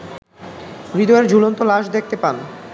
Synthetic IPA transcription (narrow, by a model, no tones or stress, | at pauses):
bid̪oeɾd͡ʑʱulont̪olaʃd̪ek̚ʰt̪epan